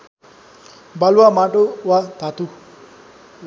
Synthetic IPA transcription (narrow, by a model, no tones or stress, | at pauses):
bʱʌlwamaʈowat̪ʰat̪u